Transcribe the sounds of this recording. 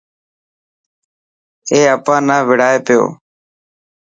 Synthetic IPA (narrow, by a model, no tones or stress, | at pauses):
eːəpãːnãːʋɪɽaːeːpɪjo̰ː